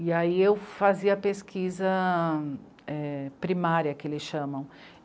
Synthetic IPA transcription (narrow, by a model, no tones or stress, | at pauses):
iaiewfaziɐpeskʰizɐ | ɛpɾimaɾjɐkɪelɪsʃɐ̃mɐ̃w̃